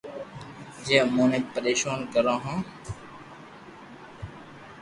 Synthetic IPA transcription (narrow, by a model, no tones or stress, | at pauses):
d͡ʒeːmõːnẽːpəɾeːʃaːnkəɾãːɦãː